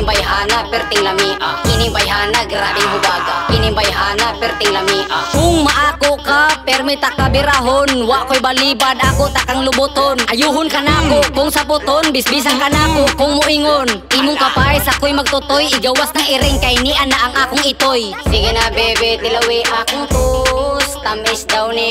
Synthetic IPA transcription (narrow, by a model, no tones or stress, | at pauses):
mbajɦanapɛɾt̪ɪŋlamiʔa̰kɪnɪmbajɦanaɡɾad̪ɪŋɦʊbaɡakɪnɪmbajɦaːnapɛɾt̪ɪŋlamiʔakʊŋmaʔaːkoʔkapɛɾmɛt̪akabɪɾaɦonwaʔkojbalibad̪ʔakot̪akaŋlʊbʊt̪onʔajuɦʊnkanakoʔkʊŋsapʊt̪onbɪsbis̬aŋkanakoʔkʊŋmʊʔiŋonʔimʊŋkapajsakojmaɡ̚t̪ʊt̪ojɪɡawasnaŋɪɾɪŋkainiʔanːaʔaŋʔaːkʊŋɪt̪ojsɪɡɪnabɛbɛt̪ɪlawiʔakʊŋt̪ʊst̪amɪsd̪awnɪ